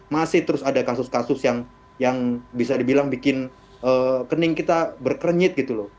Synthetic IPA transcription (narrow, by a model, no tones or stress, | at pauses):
masɪht̪əɾʊsadakasʊskasʊsjaŋ | jaŋbisadibilaŋbikɪn | ʔəkənɪŋkit̪abərkəɾəɲɪt̪̚ɡit̪ulʊ